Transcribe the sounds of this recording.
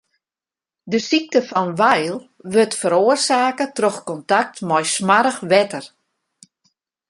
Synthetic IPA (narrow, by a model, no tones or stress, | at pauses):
dəsik̚təfɔnʋɛjlˠ | ʋøtfəɾoərsaːkətrɔxkɔntak̚tmɔjsmaɾəxʋɛtər